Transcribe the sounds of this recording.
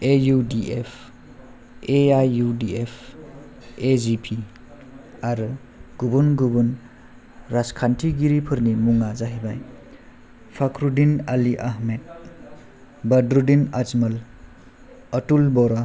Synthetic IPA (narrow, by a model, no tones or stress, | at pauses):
ejudiʔepʰ | eajːudiepʰ | ezipʰi | aɾɯ | ɡ̥ubunɡubun | ɾaskʰantʰiɡiɾipʰɯɾnimuŋazaɦibaj | pʰakʰɾudinaliʔaɦmet̚ | bɐdɾudinad͡ʒmɐl | ɐtulbɔɾa